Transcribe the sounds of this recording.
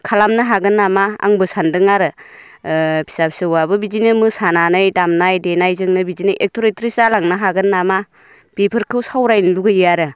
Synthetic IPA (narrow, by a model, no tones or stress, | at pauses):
kʰalamnɐɦaɡɯnːamaa̰ŋbɯsandɯŋaɾɯ | pʰi̥sapsɯwabɯbizinɯmɯsananajdamnajdenajzɯŋnɯbizinɯjʔek̚tʰoɾetɾisalaŋnɐɦaɡɯnːama | pepʰɯɾkʰɯwsawɾajnluɡɯjaɾɯ